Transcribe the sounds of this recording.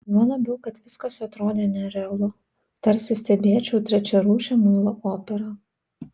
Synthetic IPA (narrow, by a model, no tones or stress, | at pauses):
nuːlˠɐbʲɛʊkɐt̪ʋʲɪskɐsɐt̪ɾoːd̪ʲeːnʲɛɾʲɛlˠʊ | t̪ɐɾʲsʲɪsʲt̪ʲɛbʲeɛt͡ʃʲɛʊt̪ʲɾʲɛt͡ʃʲɛɾuːʃʲɛmulˠɐʔoːpʲɛɾɐ